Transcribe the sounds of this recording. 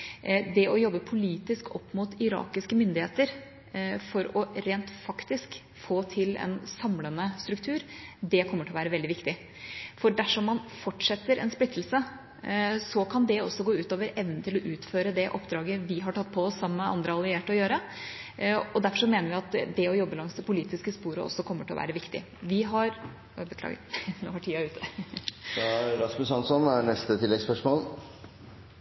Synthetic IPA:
d̪ɛʔɔjɔbːəpʰʊliːt̪ɪskɔpːmʊt̪ʰɪɾɑ̰ːkɪskəmʏnd̪ɪheːt̪əɾ | fɔɾɔɾeːnt̪fɑkt̪ɪsk | foːt̪ʰɪlɛ̰nsɑmlənəst̪ɾʉkt̪ʰʉːɾd̪ɛkʰɔmːəʈʰɪlɔʋæːɾəʋɛld̪ɪʋɪkt̪ɪ | fɔɖæʂɔmːɑnfɔʈʂɛt̪ːəɾʔɛ̰nsplɪt̪ʰːl̩sə | sɔkʰɑnd̪ɛɔsːɔɡoːʉːt̪oːʋəɾɛʋnn̩t̪ʰɪlɔʔʉːt̪føːɾəd̪ɛʔɔpːd̪ɾɑːɡəʋɪɦɑʈɑt̪ːpʰɔɔsːɑmːəɑ̰nd̪ɾəɑlɪeːʈɔjøːɾə | ɔd̪æɾfɔʂɔmeːnəɾʋɪɑt̪d̪ɛɔjɔbːəlɑŋsd̪ɛpʊliːt̪ɪskəspuːɾə̰ʔɔ̰sːɔkʰɔmːəʈʰɪɔ̰ʋæ̰ːɾəʋɪkt̪ɪ̰ | ʋɪɦɑɾ | bəklɑ̰ːɡnohɑʈʰiːɑʉːt̪ʰːə | æɾɑsməshɑnsɔnænɛst̪ət̪ʰɪlːɛɡspœʂmoːl

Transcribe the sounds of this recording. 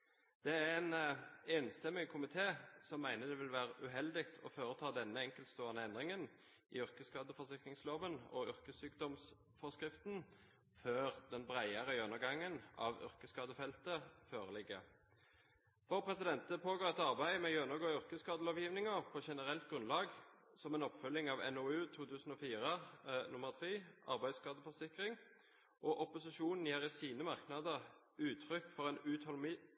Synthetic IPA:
d̪̥ɛæʁɛnɛnst̪ɛmːɪŋkʰʊmɪt̪ʰeːsɔmːæɪnəd̪ɛʋɪlʋæːʁəʔʉɦɛld̪ɪkt̪ʰɔføːʁət̪ʰɑːd̪ɛnːəɛŋkəlt̪st̪oːənəɛnd̪ʁɪŋən | ɪ̰ʏʁkəskɑːd̪əfɔsɪkɾɪŋsloːʋənɔ̰ʏʁkəsyːkd̪ɔms | fɔskʁɪft̪n | føːʁd̪ɛnbʁæɪəʁəjœnəɡɑŋːənɑ̰ʋʏ̰ʁkəskɑːd̪əfɛlt̪əføːʁəlɪɡːəʁ | fɔʁpʰʁɛsɪd̪ɛnt̪əpʰoːɡoːʁɛt̪ɑʁbæɪmɛjønəɡoːʏʁkəskɑːd̪əloːʋjiːʋnɪŋəʁpʰɔʃɛnəʁɛlt̪̚ɡʁʉnlɑːɡsɔmɛːnɔpfʉlːɪŋɑːʋɛ̰nɔʉːt̪ʰuːt̪ʰʉːsn̩ɔfiːʁənʊməʁt̪ʰʁeːʔɑ̰ʁbæɪskɑːd̪əfɔʁsɪkʁɪŋ | ʔɔʔɔpʊsɪʃuːnn̩jæːʁɪsiːnəmɑʁknɑd̪əʁ | ʉːt̪ʰʁʏkːfɔʁɛnʉːt̪hɔlmiː

